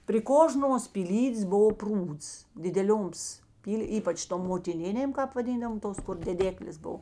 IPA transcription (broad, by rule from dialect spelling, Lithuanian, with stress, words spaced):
pʲrʲɪ ˈkoːʒnuɔs pʲiːˈlʲiːdʲeːs ˈboːʋoː ˈpruːts dʲɪdʲɛˈlʲoːms ˈpʲiːlʲ ˈiːpɐt͡ʃ toːm moːtʲɪˈnʲɪnʲeːm ˈkɑːp ʋɐˈdʲiːndɐʋoːm ˈtoːs kʊr dʲɛˈdʲæːklʲeːs ˈboːw